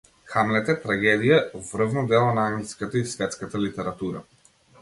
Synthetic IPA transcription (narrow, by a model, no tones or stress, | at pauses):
xamlɛt̪ɛt̪ɾaɡɛd̪ijaɔvrvnɔd̪ɛlˠɔnaaŋskat̪aisvɛt̪skat̪alit̪ɛɾat̪uɾa̰